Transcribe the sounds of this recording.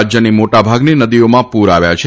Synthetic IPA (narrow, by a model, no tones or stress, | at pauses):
d͡ʒjənimoʈabʱaɡninəd̪iomãpuɾaʋjat͡ʃʰe